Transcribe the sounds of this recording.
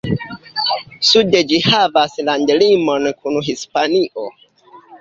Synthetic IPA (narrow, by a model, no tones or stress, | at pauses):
suded͡ʒihavaslandlimo̞nkʰunɦispaniʔo̞